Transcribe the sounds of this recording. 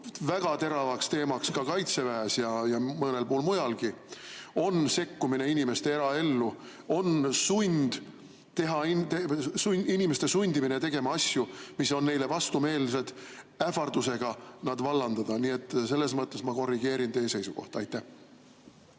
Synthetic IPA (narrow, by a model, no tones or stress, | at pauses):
væɡ̥ɑt̪e̞ɾɑvɑkst̪e̞ːmɑkskɑkɑjt̪se̞væːsjɑjɑmɤne̞lpuːlmujɑlɡio̞nse̞kːumine̞inʲime̞st̪e̞eɾɑe̞lːu | o̞nsunʲd̪̥ | t̪e̞ɦɑit̪esuinʲime̞st̪e̞sunʲd̪iminet̪e̞ɡ̥e̞mɑɑsjumiso̞nːe̞jle̞vɑst̪ume̞ːlse̞d̪̥ | æfɑrd̪̥use̞ɡ̥ɑnɑd̪vɑlːɑnd̪ɑd̪̥ɑniːe̞t̪ˑːs̬e̞lːe̞s̬mɤt̪ːe̞smɑko̞rːiɡ̥e̞ːɾint̪e̞ːse̞jsuko̞̰ht̪ɑjt̪ːˑæh